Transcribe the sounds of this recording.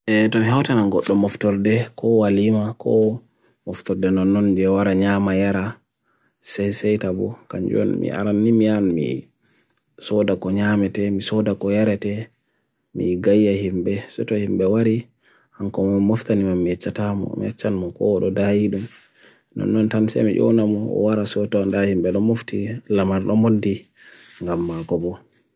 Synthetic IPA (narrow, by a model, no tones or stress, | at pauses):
ʔɛtɔmihawtanaɡɔɗːɔmɔftɔɾdɛkɔwalimakʰɔ̰ | mɔftɔɾdɛnɔnːɔnd͡ʒɛwaɾaɲamajaɾa | sɛjsɛjtabɔkaɲd͡ʒɔ̰nmḭʔa̰ɾanːimianmḭ | sɔdakɔɲamɛtɛmisɔdakɔjaɾɛtɛ | mḭɡajːahimbɛsɔtɔhimbɛwaɾi | hankɔmɔmmoftanimamːiɛt͡ʃːatamɔ̰mḭɛt͡ʃːanmɔkɔɗɔdajiɗum | nɔ̰nːɔntansɛ̰miʔɔ̰namɔɔ̰waɾasɔtandahimbɛɗɔmoftilamaɾɗɔmodːi | ŋɡamːakɔbɔ